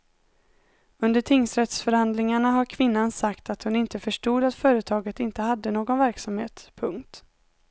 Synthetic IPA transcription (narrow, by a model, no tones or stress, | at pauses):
ɵnd̪əʈʰɪŋsɾɛt̪sfœɾhand̪lɪŋaɳaɦaɾkʰvɪnːansakt̪at̪hʊnɪnt̪əfœʂʈuːd̪at̪fœːɾət̪ʰɑːɡət̪ɪnt̪əhad̪ːənoːɡɔnvæɾksamheːt̪pʰɵŋkt̪